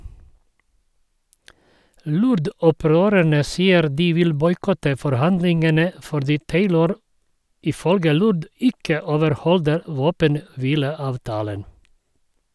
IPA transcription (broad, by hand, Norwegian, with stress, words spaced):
ˈlʊɾdɔˌpɾøːɾæɳə ˈsiːəɾ ˈdiː ˈʋɪl ˈbɔʏˌkɔtə fɔɾˈhɑndlɪŋɡənə fɔɾˈdiː ˈteɪləɾ ɪˈfœlɡə ˈlʊd ˈɪkə oːʋəɾˈhɔldəɾ ˈʋoːpənˌʋiːləˌɑːʋˌtɑːlən